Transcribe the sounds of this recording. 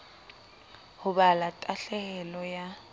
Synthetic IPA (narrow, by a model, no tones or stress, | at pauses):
hʊɓalatʼaɬɛɣɛlɔja